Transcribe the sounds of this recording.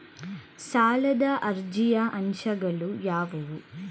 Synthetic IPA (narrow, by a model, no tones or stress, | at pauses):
saːlɐd̪ɐʔɐɾd͡ʒijɐʔɐnʃɐɡɐlujaːʋɐʋu